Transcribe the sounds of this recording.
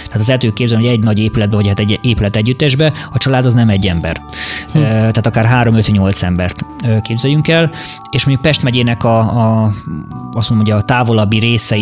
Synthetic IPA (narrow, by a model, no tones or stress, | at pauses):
t̪aːt̪̬ɒzɛt̪øːkeːbzɛlymɦoɛɟnɒɟeːpylɛd̪bɛvɒchat̪ɛɟeːpylɛt̪ɛɟːyt̪ːɛʒbɛɒt͡ʃɒlaːd̪ɒznɛmɛɟːɛmbɛ̰r | t̪aːt̪ɒkaːrɦaːɾo̞møt̪ɲo̞lt̪sɛmbɛrt̪økeːbzɛjyŋkɛl | eːʃmoɲɟukpɛʃt̪mɛɟeːnɛkɒ | ɒsmonomɦoɟɒt̪aːvo̞lɒbːiɾeːsɛ